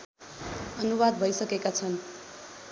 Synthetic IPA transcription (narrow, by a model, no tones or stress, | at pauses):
ʌnubad̪̚bʱʌjsʌkekat͡sʰʌn